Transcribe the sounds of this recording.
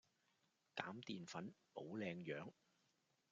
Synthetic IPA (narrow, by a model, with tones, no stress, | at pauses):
kaː˨˥mt̪iː˨nfɐ˨˥npo˨˥wlɛː˧ŋjœː˨˥ŋ